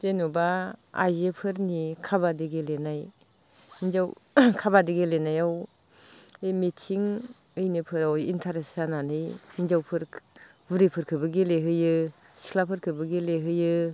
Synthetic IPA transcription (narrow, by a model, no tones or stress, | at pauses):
tenubaa̰jzepʰɯɾnikʰaβadiɡelenaj | inzawkʰabadiɡelenajaw | ejmetʰiŋ | ɯjnɯpʰɯɾawḭntʰaɾesananɯjinzawpʰɯɾ | bɯɾipʰɯɾkʰɯbɯɡeleɦɯjɯ | si̥kʰlapʰɯɾkʰɯbɯɡeleɦɯjɯ